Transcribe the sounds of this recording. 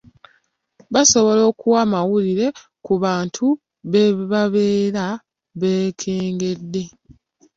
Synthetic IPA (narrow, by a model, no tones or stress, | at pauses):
βaso̞βo̞lo̞ːkuwamawuliɾe̞ | kuβaːntʰu | βeβaβe̞ːɾa | βe̞ːkʰeːŋɡe̞dːe̞